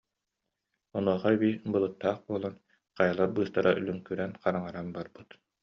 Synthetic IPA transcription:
ɔnuɔχabiːbɯlˠɯt̪ːaːχbuɔlˠɔn | qajalˠaɾbɯːst̪aɾaʔylʲyŋkyɾɛnqaɾaŋaɾanbaɾbɯt̪

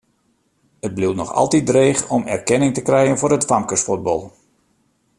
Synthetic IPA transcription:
ət̚bliwtnɔxɑ̰lˠtidreːxɔmɛ̰rkɛnɪŋtəkrɛjənvʊːɾətfamkəsfud̚bɔlˠ

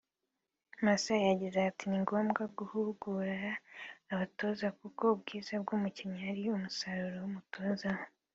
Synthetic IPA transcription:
masajaɟizaːtiniŋɡo̞ːmɡaɡuhuɡuɾaː | βato̞ːzakuko̞b̚ɡiːzabɡumuciɲaaɾiumusaɾuɾowumuto̞ːzao

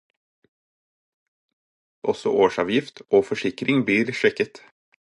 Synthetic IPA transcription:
ʔɔsɔ̰ʔoːʃɑ̰ːʋjɪft̪ʔoːfɔʃɪkɾɪŋbliːɾʃɛkət̪

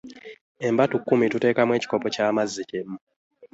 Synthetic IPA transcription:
e̞mbatukːumitute̞ːkamweci̥ko̞pocaːmazːicemːu

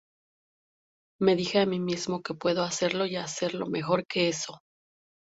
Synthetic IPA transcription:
me̞ðixe̞amimizmo̞ke̞pwe̞ðo̞ase̞ɾlo̞iase̞ɾlo̞̰me̞xo̞ɾke̞e̞so̞

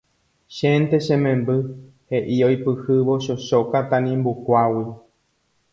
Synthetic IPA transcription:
ʃẽnt̪eʃẽmẽmbɨ | he̞ʔiojpɨhɨʋoʃoʃokat̪anĩmbukʷawi

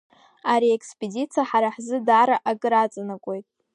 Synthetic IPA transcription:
aɾiekʰspʼedit͡sʰiaħaɾaħzɨdaɾaʔaɡɨɾat͡sʼanakʷʼo̞jtʼ

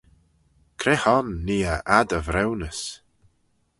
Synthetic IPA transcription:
kʰɾɛhɔnːiːəʔad̪əvɾɛwnəs

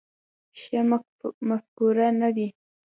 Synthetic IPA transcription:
ʃam | mafkʊɾanabi

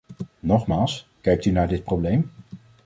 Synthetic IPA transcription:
nɔχmaːlˠskɛjk̚tynaːɹdɪt̚prowblejm

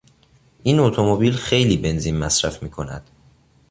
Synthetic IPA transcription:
ʔiːnot̪ʰomobiːlxe̞jliːbe̞nziːnmæsɾæfmiːkʰo̞næ̰d̪̥

